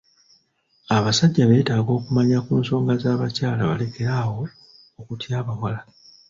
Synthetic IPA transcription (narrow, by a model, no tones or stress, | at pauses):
aβasaɟːaβe̞ːtaːɡo̞ːkumaɲakuːnso̞ːŋɡazaːβacaːlaβale̞ke̞ɾawo̞ː | kutjaːβawala